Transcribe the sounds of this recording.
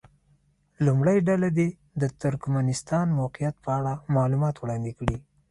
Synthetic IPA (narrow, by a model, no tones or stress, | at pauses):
lumɽajɖalad̪e | d̪ət̪ʊɾkmanɪst̪ɑnmawqijat̪̚pəaɽamɑlumɑt̪wɽɑnd̪ɪkɽi